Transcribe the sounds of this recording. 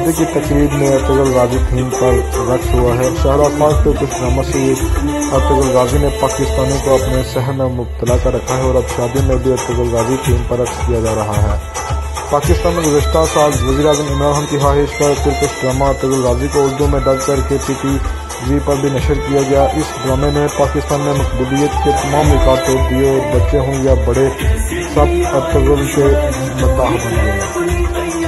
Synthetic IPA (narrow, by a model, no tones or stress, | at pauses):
t̪ikit̪ɐkɾiːd̪mẽɐɾt̪əɡəlɾaːd͡ʒit̪ʰiːmpɐɾː | ɐkɦuaɦɛʃɐɦɾaːfaːzk̪eʊt̪əsʈɾaːmase | ɐɾt̪əɡəlɾaːzinepaːkɪst̪aːnĩkoɐpnesɛɦənmʊb̚t̪əlakaɾɐkʰaɦɛɔːɾɐp̪ʃaːd̪jõmẽbʱiɐɾt̪əɡəlɾaːd͡ʒit̪ʰiːmpɐɾːɐkʃkijad͡ʒaːɾɐɦaɦɛː | paːkɪst̪aːnmẽɡʊzəʃt̪ʰasaːlʋɐɡiːɾaːzəmɪ̃mɾaːɾɦəmkiɦaːɦɪɪʃkɐɾkɪɾkəsʈɾəːmat̪əɡəlɾaːzikoʊɾd̪õmẽɖɐd̪kɐɾkepiːpi | d͡ʒipɐɾbʱinɐʃəɾkijaɡɐjaʔɪsbɾɐmenẽpaːkɪst̪aːnmẽmʊkbəlijət̪ket̪ɐmaːmlɪkaːɾoːɾd̪ieɔːɾbɐtːʃeɦõɡjabɐɽe | sɐb̚ɐsəɡəlse | mʊaːxbɐ̃nɡ̪eɦɛ̃ː